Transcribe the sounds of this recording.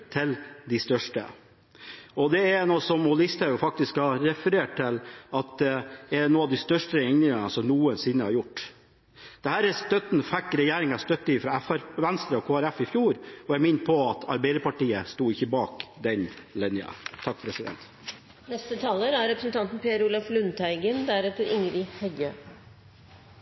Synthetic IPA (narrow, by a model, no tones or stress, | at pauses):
t̪ʰɪld̪ɪst̪œʂʈə̰ | ɔd̪ɛænoːsɔmhɔlɪst̪əɾjʊfɑk̚t̪ɪskhɑɾɛfəɾeːʈ̚t̪ɪlɑt̪̚d̪ɛɛɛnoːɑʋd̪ɪst̪œʂʈəɛŋnɪŋɑnəsɔmnuːənsɪnːəhɑɾjʊʈː | d̪̥ɛhæːɾɛst̪œt̪n̩fækːɾɛjeːɾɪŋɑst̪œt̪ːəɪfɾɑːɛfæɾʋænst̪ɾəɔkʰoːæɾæfɪfjuːɾɔjæɡmɪnt̪̚pʰɔɑt̪ʰɑ̰ɾbeɪd̪əpɑʈiːəst̪uːɪçːəbɑːkd̪ɛnlɛnːəɑ̰t̪ʰɑk̚ːpʰɾɛsɪd̪ɛ̰nt̪ | nɛst̪ət̪ʰɑːləɾæɾɛpɾəsənt̪ɑnt̪n̩pʰeːæɾʊlɑflʉnt̪ʰæɪɡənd̪æɾɛt̪əɾɪŋɾɪhɛɡø